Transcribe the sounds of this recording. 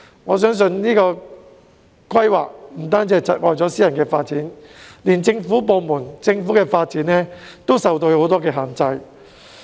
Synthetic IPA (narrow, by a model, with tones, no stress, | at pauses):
ŋɔː˨˧s̬œː˥ŋs̬ɵ˧nniː˥kɔː˧ | kʰʷɐ˥jwa̰ː˨k̚m̩˨˩t̪aː˥nt͡sɛː˧˥t͡sɐ˨t̚ŋɔ̰ː˨jt͡sɔː˨˥siː˥jɐ˨nkɛː˧faː˧t̚t͡siː˨˥nliː˨˩nt͡sɪ˧ŋfu˨˥p̬o˨˧wmuː˨˩nt͡sɪ˧ŋfuː˨˥kɛː˧faː˧t̚t͡siː˨˥nlɛː˥t̪o˥wsɐ˨wt̪o˧who˨˥wt̪ɔː˥kɛː˧ɦaː˨ŋt͡sɐ˧j